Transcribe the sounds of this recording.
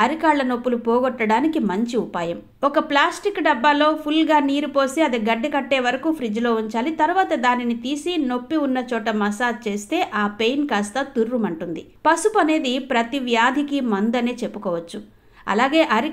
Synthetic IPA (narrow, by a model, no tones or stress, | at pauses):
ɐɾikaːɭːɐno̞pːulupɔːɡɔʈːɐɽaːnikimɐɲt͡ʃiupaːjɐm | ɔkɐplaːsʈikːɖɐbːaːlo̞ːpʰulɡaːniːɾupo̞ːsiɐd̪iɡɐɖːikɐʈːe̞ːʋɐɾɐkuːpʰɾid͡ʒlo̞ːuɲt͡ʃaːlit̪ɐɾuʋaːt̪ɐd̪aːninit̪iːsino̞pːiunːɐt͡ʃɔːʈɐmɐsaːt͡ʃe̞ːst̪e̞ːʔaːpe̞jnkaːst̪ɐt̪uɾːumɐɳʈund̪i | pɐsupɐne̞ːd̪ipɾɐt̪iʋjaːd̪ʱikimɐnd̪ɐne̞ːt͡ʃe̞pːukɔːʋɐt͡ʃːu | ɐ̰laːɡe̞ːʔɐɾi